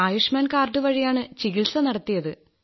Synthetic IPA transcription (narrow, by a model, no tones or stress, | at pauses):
aːjuʂmaːnkaːrɖɨʋɐɻijaːɳɨt͡ɕiɣilsɐnɐɽɐt̪ːijɐðɨ